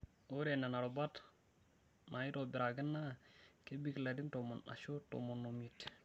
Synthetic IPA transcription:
o˦ɾe˨na˨na˨ɾo˨ba˦t | mʔa˨ji˦to˨bi˨ɾa˨ɡə˦nːa˦ke˦bi˦kla˨di˦ntomo˨na̰˨ʃo˦to̰mo˨nːomit

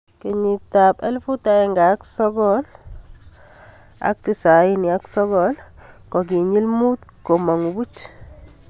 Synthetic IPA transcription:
ke˨ɲi˨k̚ta˨pɛ˦lfu˦ta˨ɛ˨ŋɡaː˨˦ksɔ˦ɡɔl | a̰˦k̚ti˦˨sa˨i˦ni˨a˦ksɔ˦ɡɔlkɔ˨k̬i˨ɲi˦lmu˦tko˨ma˨ŋu˨bu˦t͡ʃ

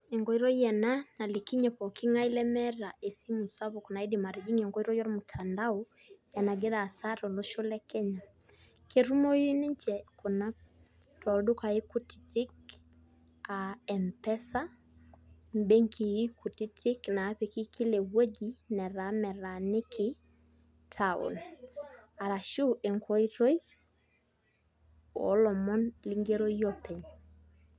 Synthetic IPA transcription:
ɛ˨ŋɡɔ˨i˦ɾɔ˦jɛ˨nana˨le˨ki˦ɲɛpɔ˨ki˦ŋa˦i˦lɛ˦mɛɾa˨ʔe˨si˦mu˨sa˦βokɔ˨na˨e˦dima˨ɾi˨d͡ʒi˦ŋɛŋɡɔ˦iɾɔ˦jɔ˦ɾmotʰandaɔ | ja˨na˨ɡe˦ɾaː˨sa˦ɾɔ˨lo˦ʃo˦lɛ˦kɛ˦ɲa˨ | kʰe˨ɾu˦mɔ˦ji˦ne˦ɲt͡ʃɛko˨na˦ | tʰɔ˨do˦ka˨e˦ku˦ti̥˨ti˦k | aɛ˨mpɛ˦sa˦ | mbe˦ŋkʰi˨ji˦ku˨tɪ˦tɪ˦knaː˨˦pe˨kɪ˦kɪ˦le˨wo˦d͡ʒi˦nɛ˨ɾa˨˦mɛ˨ɾa˨nɪ˦kʰɪ˨ | tʰaʊ̰˨n | a˨ɾa˨ʃu˦ʔe˨ŋkʰɔ˦i˦ɾo˦j | ɔ̰˨˦lɔ˨mɔ˦nli˦ŋɡe˦ɾo˦jɔ˦pɛ˨ɲ

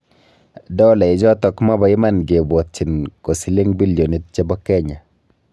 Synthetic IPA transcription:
dɔ˦lɛ˨i˨d͡ʒɔ˦tɔ˨kma˦ba˨ɪ˦ma˨nɡe˨bɔ˨t̚t͡ʃi˨nko˨si˦le˦ŋbi˦ljo˨ni˦t̚t͡ʃe˦bɔ˦kɛ˦ɲa˨

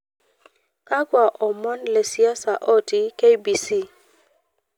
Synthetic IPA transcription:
a˦ɡwa˨ʔɔ˨mɔ˦nle˨si˦a˦sa˨ʔɔ˦ti˦ke˦jbi˨si˦˨

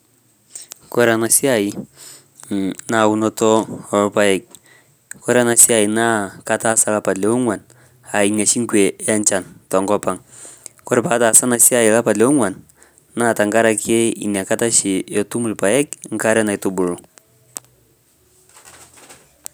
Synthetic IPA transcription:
kɔ˦ɾa˨na˨si˦a˦˨i˨ | na˦˨u˦nɔ˦tɔ˦ɔ˨lpa˦jɛ˨k̚ | kɔ˦ɾa˨na˨si˦a˨i˨na˦ka˦ta˦sa˦la˦pa˨le˨wu˦ŋwa˨n | a˨i˨na˨ʃi˦ŋ˦kwe˨˦a˦nt͡ʃa˨ntɔ˨ŋɡɔ˦pa˨ŋ | kɔ˦ɾɪ˨pa˨˦ta˨sa˦na˨si˦a˦i˨la˦pa˨dle˨wu˦ŋwa˨n | na˦˨ta˨ŋɡa˦ɾa˨kʰe˦ḭ˨n˨a˨ka˦ta˦ʃi˨ɔ˨tu˦mu˨lpa˨jɛ˦kŋ̩˦ka˦ɾɛ˦na˨i˨˦tu˦bu˨lʊ˨

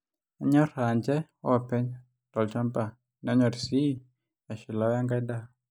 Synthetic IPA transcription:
a˨ɲɔ˦ɾa˨ɲd͡ʒɛ˦ | ɔ˦˨pɛ˦ɲ | tɔ˨lt͡ʃa˦mba˨ | nɛ˨ɔ˦ɲɔ˨ɾsi˦ | a˨ʃɪ˨la˦wa˦ŋɡa˦da˦˨

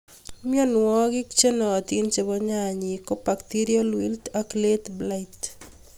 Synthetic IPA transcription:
mjɔ˦nwɔ˦ɡɪ˦kt͡ʃe˦nɔ˨a˨t̪i˦nt͡ʃe˨βɔ˦ɲa˦˨ɲi˨ko˦pa˨kt̪i˦ɾio˦lwi˦ltakle˦t̪bla˦ɪt

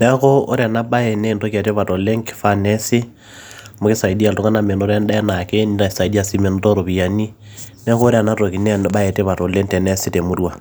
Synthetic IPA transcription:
nɛ˦ko˦o̰˦ɾea˨na˦ba˦e˨ne˦˨nto˦ka˨te˦βa˨tɔ˨le˦ŋke̥˨fa˦nɛ˦se˦ | mo˨ke˦sa˨i˨di˦a˨lto˦ka˦na˨me˨no˦ɾɛ˦nda˦ɛ˦na˨ke˦nina˨sa˨i˨di˦a˨si˦me˨no˦tɔ˦ɾo˨βi˨a˨ni˦ | nɛ˦ko˦ɾe˦a˨na˦to˨ki˨nɛ˦ba˦e˨te˦βa˨tɔ˨le˦ntɛ˨nɛ˦se˦te˨mo˦dwa˨

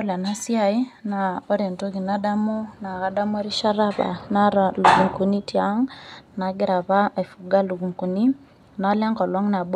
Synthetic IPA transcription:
ɔ˦la˨na˦si˦a˨i˦na˨ɔ˦ɾe˨nto˦ki˨na˦da˦mu˦na˨ka˨da˦mu˦a˦ɾi˦ʃa˦ɾa˦βa̰˨na˦ɾa˨lu˨ɡu˨ŋku˨ni˦ti˦a˨˦ŋna˨ɡɛ˦ɾa˨βa˦a˨fu˨ɡa˦lu˨ku˨ŋku˨ni˦ | na˨˦la˦ŋkɔ˨lɔ˦ŋna˨b

